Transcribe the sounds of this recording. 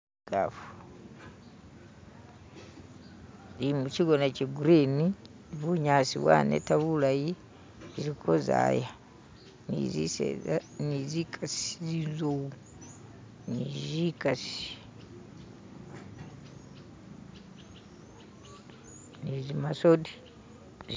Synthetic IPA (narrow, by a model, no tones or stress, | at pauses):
ɡ̥a̰fu | limut͡ʃiɡonat͡ʃiɡuɾeni | βuɲaːsḭβwa̰nḛtaβulaji | iɾikʰoza̰ja | niziḛnizikʰasi̥zizowu | nizikasi̥ | nizimasodi